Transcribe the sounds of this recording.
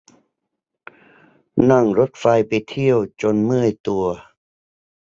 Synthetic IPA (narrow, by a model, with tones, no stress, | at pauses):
na˥˩ŋɾo˦˥t̪̚fa˧jpa˧jt̪ʰi˥˩əwt͡ɕo˧nmɯ˥˩əjt̪u˧ɐ